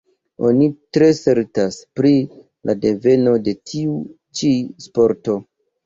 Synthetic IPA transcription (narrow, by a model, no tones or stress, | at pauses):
o̞nitɾe̞se̞ɾtaspɾi | lʔade̞ve̞no̞de̞tʰiu | t͡ʃispo̞ɾto̞